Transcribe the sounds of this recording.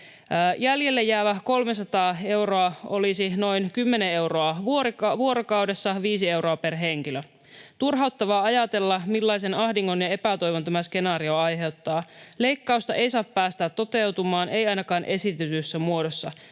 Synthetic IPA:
jæljelːejːæːʋæko̞lmes̬ɑt̪ɑːe̞wroɑo̞lisino̞jnkymːenee̞wro̞ɑʋuoɾikʋuo̞ɾokɑuwde̞sːɑʋiːs̬ie̞wro̞ɑpe̞rɦe̞ŋkilø | t̪urɦɑut̪ːɑʋɑːɑjɑt̪e̞lːɑmilːɑjs̬e̞nɑhdiŋːo̞njɑe̞pæt̪o̞jʋont̪æmæske̞nɑːɾio̞ɑjɦe̞wt̪ːɑːle̞jkːɑust̪ɑʔe̞jsɑːppæːst̪æːt̪ːo̞t̪e̞wt̪umɑːnʔeijɑjnɑkɑːnʔe̞sit̪yt̪ysːæmuo̞dosːɑ

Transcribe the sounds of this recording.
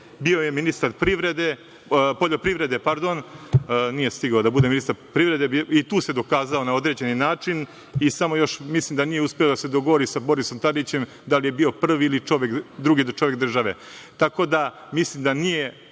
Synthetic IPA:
bio̞jeminist̪aɾpɾiʋɾed̪e | po̞ʎo̞pɾiʋɾe̞d̪e̞paɾd̪o̞n | nije̞st̪iɡaod̪abud̪e̞minist̪aɾpɾiʋɾe̞d̪eit̪uːse̞d̪o̞kaːzao̞nao̞d̪ɾed͡ʑe̞ninaːt͡ʃin | isamo̞jo̞ʃmislˠimd̪anijeuspelod̪ase̞d̪o̞ɡoʋo̞ɾisabo̞ɾiso̞mt̪ad̪it͡ɕe̞m | d̪alije̞bio̞pr̩ʋiilit͡ʃo̞ʋjekd̪ɾuɡid̪t͡ʃoʋjek̚d̪r̩ʒaʋe̞̰ | t̪ako̞d̪a | mislimd̪anije̞

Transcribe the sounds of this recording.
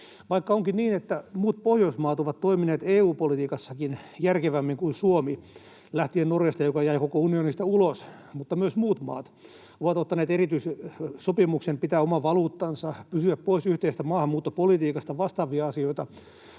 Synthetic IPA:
ʋɑikːɑoŋkinniːnet̪ːæmuːt̪̚pohjoismɑːt̪oʋɑt̪t̪oimineːt̪eːuːpolit̪iːkɑsːɑkinjærkeʋæmːiŋkuisuomi | læht̪iennorjɑst̪ɑjokɑjæikokounionist̪ɑulos | mut̪ːɑmyøsmuːt̪mɑ̰ːt̪ | oʋɑt̪ot̪ːɑneːt̪erit̪yissopimuksempit̪æːomɑʋɑluːt̪ːɑnsɑpysyæppoisyht̪eist̪æmɑːhɑmuːt̪ːopolit̪iːkɑst̪ɑʋɑst̪ɑːʋiɑɑsioit̪ɑ

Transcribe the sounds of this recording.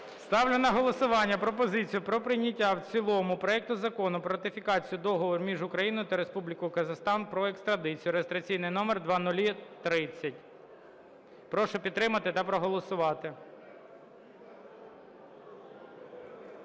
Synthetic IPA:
st̪ɑwlʲʊnɐɦɔlˠɔsʊʋɑnʲːɐpɾɔpɔzɪt͡sʲijʊpɾɔpɾɪnʲɐtʲːawt͡sʲilˠɔmʊpɾɔɛk̚t̪ʊzɐkɔnʊpɾɔɾɐt̪ɪfʲikɑt͡sʲijʊd̪ɔɦɔʋɔrmʲiʒʊkɾɐjinɔjʊt̪ɐɾe̞spublʲɪkɔjʊkɐzɐxst̪ɑnpɾɔekst̪ɾɐd̪ɪt͡sʲijʊɾest̪ɾɐt͡sʲijnɪjnɔmerd̪ʋɑnʊlʲit̪ɾɪt͡sʲːɐtʲ | pɾɔʃʊpʲid̪ːɾɪmɐt̪ɪt̪ɐpɾɔɦɔlˠɔsʊʋɑt̪ɪ

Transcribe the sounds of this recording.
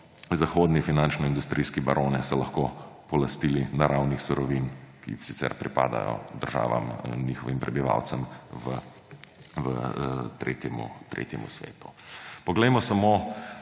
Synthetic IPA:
zaxoːd̪nifinant͡ʃnɔind̪ust̪ɾiːskibɐɾʔoːnɛsɔlɐxkopɔlɐst̪iːlinaɾawnixsuɾɔʋinkḭsit̪sɛ̰ɾpɾipa̰ːd̪a̰jɔ̰d̪əɾʒa̰ːʋa̰mniːxɔʋimpɾɛbiʋa̰wt̪səmʋə | vət̪ɾḛːt̪jɛmṵt̪ɾḛːt̪jɛmṵsʋḛːt̪u̥pɔɡlɛjmɔsamo

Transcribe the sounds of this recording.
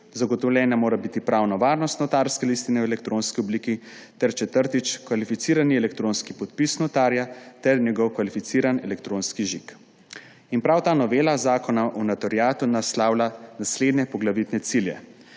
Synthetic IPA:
zaɡɔt̪ɔwlʲɛːnamoːɾabit̪ipɾawnɔʋaːɾnɔst̪nɔt̪aːɾskɛlist̪inɛwɛlɛk̚t̪ɾoːnskiɔbliːkit̪ɛɾt͡ʃɛt̪əɾt̪it͡ʃkʋalifit̪siːɾaniɛlɛk̚t̪ɾoːnskipɔt̪pisnɔt̪aːɾjat̪ɛɾnʲjɛɡɔwkʋalifit̪siːɾanɛlɛkt̪ɾõːnskiʒik | inpɾawt̪aːnɔʋeːlazaːkɔnaʔunat̪ɔɾjaːt̪unaslaːwlanasleːd̪nɛpɔɡlaʋit̪nɛt̪siljɛ̰

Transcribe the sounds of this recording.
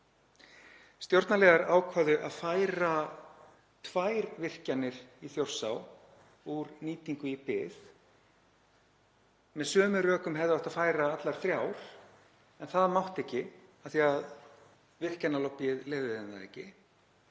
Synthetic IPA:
st̪jowɾt̪nalɛːɣaɾaːwkʰvaːðʏʔaðfajɾa | t̪ʰvajɾvɪr̥canːɪɾ̥iθjowr̥saw | uɾniːt̪iŋkʏipɪð | mɛðsœːmʏrœːkʏmɦɛvðɪaht̪aðfaːjɾaat̪laɾ̥θɾjawɾ̥ | ɛnθaðmawht̪ɛhcːɪaθiað | vɪr̥canːalɔwpjɪðlɛːvɪðɪnðaɛ̰cɪ̰

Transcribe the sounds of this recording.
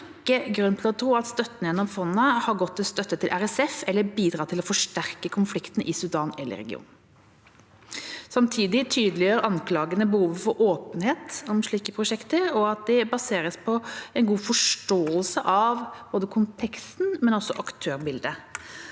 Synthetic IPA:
ɪkːəɡɾʉnːt̪ʰlɔt̪ʰɾuːɑt̪st̪œt̪ːənjɛnːɔmfɔnːəhɑɾɡɔt̪ːɪlst̪œt̪ːət̪ʰɪlʔæɾɛsɛfɛlːəbiːd̪ɾɑːt̪ʰɪlɔfɔʂʈæɾkəkʰʊnflɪkt̪ənəʔɪsʉd̪ɑːnɛlːʔə̰ɾɛ̰ɡɪ̰ṵːn | sɑmt̪ʰiːd̪ɪt̪ʰyːd̪lɪøɾɑnkʰlɑːɡənəbəhuːʋəfɔɾʔoːpənheːt̪ɔmʂɭiːkəpʰɾʊʂɛkt̪əɾɔɑt̪̚d̪ɛbɑseːɾəspʰɔɛnɡuːfɔʂʈoːəlsəʔɑʋboːd̪əkʰʊnt̪ʰɛkst̪nmɛnɔsːɔʔɑkt̪ʰøːɾbɪld̪ə

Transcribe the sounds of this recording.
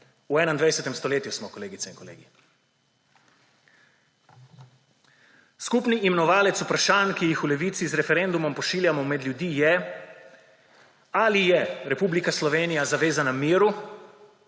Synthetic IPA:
uɛːnaind̪ʋajsɛt̪ɛmst̪ɔleːt̪jusmɔkɔleːɡit̪sɛinkɔlḛːɡi | skupniʔiːmɛnɔʋaːlɛt̪supɾaʃaːnkijixulɛʋiːt̪sizɾɛfɛɾɛnd̪umɔmpɔʃiːljamɔmɛd̪ljud̪iːjɛ | alijɛɾɛpublikaslɔʋeːnijazaʋeːzanamiːɾu

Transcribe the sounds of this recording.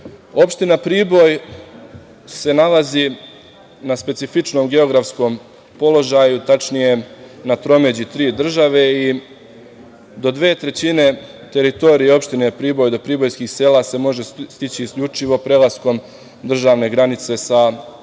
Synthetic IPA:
o̞pʃt̪inapɾiːbo̞j | se̞nalazi | naspesifit͡ʃno̞ːmɡe̞o̞ɡɾafsko̞ːm | po̞lo̞ʒajut̪at͡ʃnije̞nat̪ɾo̞me̞d͡ʑit̪ɾiːd̪r̩ʒaʋe̞i | d̪o̞d̪ʋe̞ːt̪ɾe̞t͡ɕine̞ | t̪e̞ɾit̪o̞ɾijeo̞pʃt̪inepɾiːbo̞jd̪o̞pɾiːbo̞jskiːxse̞ːlase̞mo̞ʒe̞st̪it͡ɕiːskʎut͡ʃiʋo̞pɾe̞lˠasko̞m | d̪r̩ʒaːʋne̞ɡɾanit̪se̞sa

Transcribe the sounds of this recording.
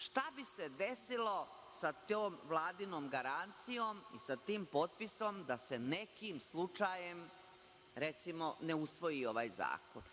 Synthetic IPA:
ʃt̪abise̞d̪e̞silo | sat̪oːmʋlˠaːd̪inoːmɡaɾant̪sijomḭsat̪iːmpo̞t̪̚pisomd̪ase̞ne̞kimslˠut͡ʂajem | ɾe̞t̪simo̞neusʋo̞jio̞ʋa̰ːjza̰ːkon

